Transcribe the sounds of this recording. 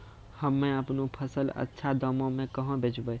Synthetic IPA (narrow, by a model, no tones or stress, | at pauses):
həmːẽəpnũpʰəsələ̰tːʃʰad̪əmõmẽkəɦə̃bʱeːt͡ʃbəj